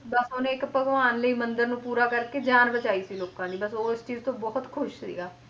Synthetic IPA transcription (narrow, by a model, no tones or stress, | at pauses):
bəsoːnẽːɪkpəɡʋaːnləiːmənd̪əɾnũːpuːɾaːkəɾkeːd͡ʒaːnbət͡ʃaːiːsiːloːkãːd̪iːbəsoːɪst͡ʃiːzt̪õːbɔːɦʊt̪kʰʊʃsḭːɡaː